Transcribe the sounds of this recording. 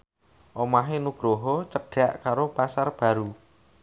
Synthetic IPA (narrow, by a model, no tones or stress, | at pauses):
ʔomaɦenuɡ̥ɾoɦɔt͡ʃəɖ̥a̤ʔkaɾopasarb̥ä̤ɾu